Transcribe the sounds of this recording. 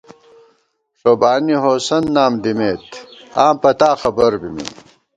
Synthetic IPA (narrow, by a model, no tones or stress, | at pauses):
ʂoːbaːniɦoːsɐnːaːmd̪imeːt̪aːmpɐt̪aːxɐbɐɾbimḭ